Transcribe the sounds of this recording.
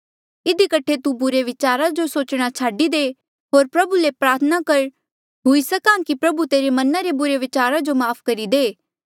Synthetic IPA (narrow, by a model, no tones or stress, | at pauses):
ɪd̪ikɐʈʰet̪ubʊɾeʋɪt͡ʃaːɾad͡ʒosoːt͡ʃɽ̃at͡ʃʰaːɖid̪eː | ɦoːɾpɾɐbulepɾaːɾt̪ʰənakɐɾ | ɦʊisɐkãːkipɾɐbut̪eːɾemɐnãɾebʊɾeʋɪt͡ʃaːɾad͡ʒomaːpʰkɐɾid̪eː